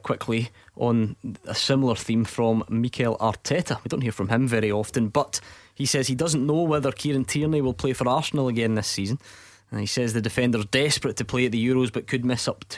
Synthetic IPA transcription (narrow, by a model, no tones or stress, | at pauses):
kʰw̥ɪkʰlˠiʔə̃nə̰sɪ̃ml̩ˠə˞θĩɱfɹə̃mːikʰɛlˠa̰ɹtʰɛʔəwidõnʔhiɹfɹə̃mɪ̃ɱvɛɹiɔfə̃nbʌʔhisɛz̥idʌzə̃n̩nowɛðə˞kʰiɹə̃ntʰiɹniwɪlˠpʰl̥efə˞aɹsən̩l̩ˠəɡɛ̃nðɪsizə̃n̩ | əisɛzðədɪfɛ̃ndə˞zdɛspɹətʰəpʰl̥eɨʔ̪ðəjʉɹozbʌʔkʰɨd̚mɪsʌptʰ